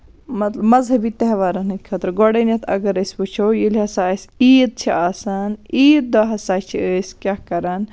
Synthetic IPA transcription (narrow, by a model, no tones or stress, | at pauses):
mɐt̪lɐbmɐzɦɐbit̪ɐɦʋaːɾɐnɨkʲkʰɐt̪ɾɡoɽenɐt̪ʰɐ̰ɡɐɾɐsʲput͡ʃʰowjilʲɦɐsaːsʲiːd̪̚t͡ʃʰiʔaːsaniːd̪̚ːoɦɐsaːt͡ʃʰiəːsʲkʲjakɐɾɐn